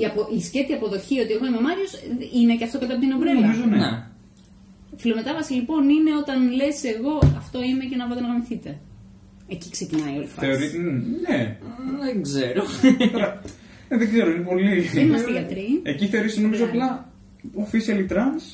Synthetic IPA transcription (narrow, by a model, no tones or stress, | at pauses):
iɐpoʔisce̞θiɐpo̞ðo̞çio̞t̪ieɣoimemɐɾio̞sine̞ceɐft̪oɐt̪ɐpot̪inovɾeomizonene | filo̞met̪ɐvɐsilipo̞nine̞o̞t̪ɐnle̞se̞ɣo̞ɐft̪o̞ime̞ce̞nɐvɐt̪enɐɣɐmiθit̪e̞ | eciksecinɐio̞lifθɐeoɾineðeŋɡzeɾot̪oɾɐ | neðeɡze̞ɾo̞inepo̞lienimɐseiʝɐt̪ɾieciθeoɾiseno̞mizoɐplɐ | ofisɐlit̪ɾɐns